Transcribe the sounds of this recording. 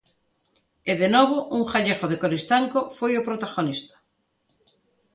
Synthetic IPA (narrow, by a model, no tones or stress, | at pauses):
eðenoβoʔuŋχaʎeɣoðekoɾist̪aŋkofojopɾot̪aɣonist̪ḁ